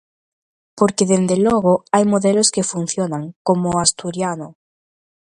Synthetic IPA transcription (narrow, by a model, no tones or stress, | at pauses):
poɾkeðend̪eloɣ̞oajmoðeloskefun̟θjonaŋkomoast̪uɾjano